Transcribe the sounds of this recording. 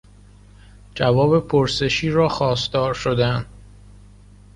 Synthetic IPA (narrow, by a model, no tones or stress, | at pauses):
d͡ʒævɒːbe̞pʰoɾse̞ʃiːɾɒːxɒːsd̪ɒːɾʃod̪ænd̪